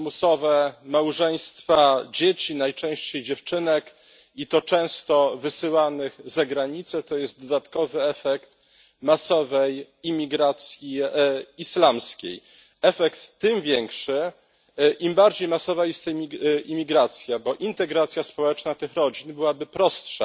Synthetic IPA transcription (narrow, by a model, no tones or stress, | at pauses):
musɔvɛmawʐɛj̃st̪fad͡ʑet͡ɕinajt͡ʂɛ̃w̃ɕt͡ɕejd͡ʑɛft͡ʂɘnɛk | it̪ɔt͡ʂɛ̃w̃st̪ɔvɘsɘwanɘxzaɡɾaɲit̪sɛt̪ɔjɛst̪̚d̪ɔd̪at̪kɔvɘɛfɛkt̪ | masɔvɛj | imʲiɡɾat̪sʲjiislamskʲḛj | ɛfɛkt̪ːɘmvʲjɛŋkʂɘ | ʔimbaɾd͡ʑejmasɔvajɛst̪mʲiimʲiɡɾat̪sʲjabɔʔint̪ɛɡɾat̪sʲjaspɔwɛt͡ʂnat̪ɘxɾɔd͡ʑinbɘwabɘpɾɔstʂa̰